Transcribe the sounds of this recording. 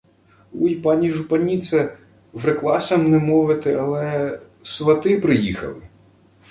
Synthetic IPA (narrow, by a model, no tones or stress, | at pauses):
ujpɑnʲiʒʊpɐnʲit̪sɛ | ʋɾeklˠɑsʲɐmnɛmɔʋɪt̪ɪɐlˠɛ | sʋɐt̪ɪpɾɪjixɐ̰lˠɪ